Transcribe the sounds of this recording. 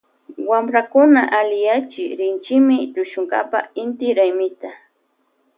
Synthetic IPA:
wamɾakʊnaʔalɪjat͡ʃɪɾɪnt͡ʃɪmɪʎʊʃʊŋɡa̰pa̰ɪnt̪ɪɾajmɪt̪a

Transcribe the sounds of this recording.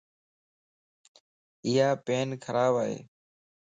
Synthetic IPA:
ɪjaːpeːnkʰəɾaːbaːɦḛː

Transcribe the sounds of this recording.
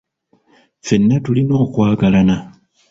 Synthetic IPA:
fenːatulino̞ːkwaːɡalana

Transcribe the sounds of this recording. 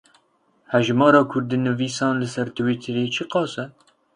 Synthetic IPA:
hɛʒmɑːɾɑːkʰʊɾd̪inɨviːsɑːnlɨsɛɾt̪ʰɨwiːt̪ʰɨɾeːt͡ʃʰɨqɑːsɛ

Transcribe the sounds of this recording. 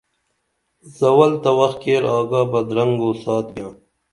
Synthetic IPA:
zɐwɐlt̪ɐwɐxkeːɾaːɡaːbɐd̪ɾɐŋɡoːsaːt̪ɡʲjãː

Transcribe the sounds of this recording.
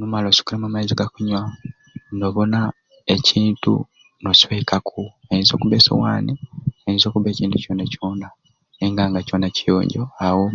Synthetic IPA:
numalosu̥kuɾemamaiziɡakuɲwa | ndoβona | eciːntṵ | nosweikakʰuajinzo̞̰ːkuβeːso̰wa̰ːniajinzo̞ːkuβe̞ːciːntuco̞ːnacoːna | eŋɡaːŋɡaco̞nacijo̰ːɲɟoawo

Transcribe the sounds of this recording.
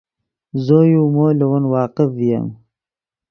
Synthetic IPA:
zojumolɐwanwɑːqɪfija̰m

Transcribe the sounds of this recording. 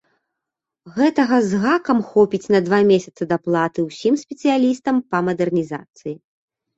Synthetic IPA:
ɣɛt̪ɐɣɐzɣakɐmxɔpʲit͡sʲnɐd̪vamʲesʲɐt̪sɨd̪aplˠat̪ɨwsʲimsʲpʲɛt̪sɨjalʲist̪ɐmpɐmɐd̪ɛrnʲiza̰t̪sɨji

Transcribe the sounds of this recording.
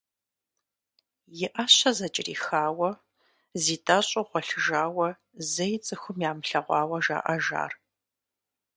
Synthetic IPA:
jɪʔaɕɐzɐt͡ʃʼɪrḭːxaːwɐ | ziːtʰʼɐɕʼɐʁʷɔɬɨʒaːwɐ | zɐjt͡sʼɨxʷʊmjaːmɬɐʁʷɑːwɐʒa̰ːʔɐʒa̰ːr

